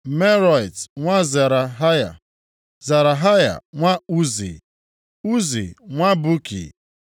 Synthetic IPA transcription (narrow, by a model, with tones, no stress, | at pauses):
me˦ɾɔ˨jtŋʷa˦za˨ɾa˨ɦa˦ja̰˨ | za˨ɾa˨ɦa˦ja̰˨ŋʷa˦u˦zḭ˨ | u˦zḭ˨ŋʷa˦bu˦kḭ˨